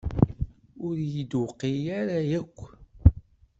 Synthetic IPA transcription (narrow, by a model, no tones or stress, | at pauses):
ʊɾjəd̪wqːijaɾajækʷː